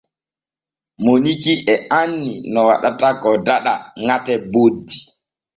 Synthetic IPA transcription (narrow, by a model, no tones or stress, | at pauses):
monikiʔɛanːinɔwa̰ɗatakɔdaɗaŋatɛbodːi̥